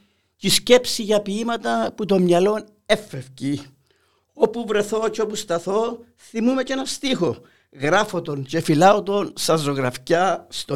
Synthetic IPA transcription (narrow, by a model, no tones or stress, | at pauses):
cisce̞psiʝɐpiimɐt̪ɐput̪o̞mɲɐlo̞n | e̞fːefci | o̞puvɾe̞θo̞ceo̞pust̪ɐθo̞ | θimume̞ce̞nɐst̪ixo̞ | ɣɾɐfot̪o̞nce̞filɐot̪o̞nsɐzo̞ɣɾɐfcɐst̪o